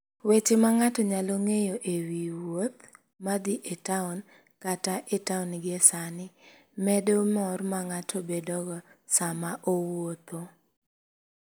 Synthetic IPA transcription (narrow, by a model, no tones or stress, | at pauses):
wet͡ʃɪmaŋatɔɲaloŋejoʔewiwot̪ | mad̪ɪʔetaʊn | kataʔetaunɡesanɪ | mɛdomɔrmaŋatʰobedɔɡɔsamaʔowot̪o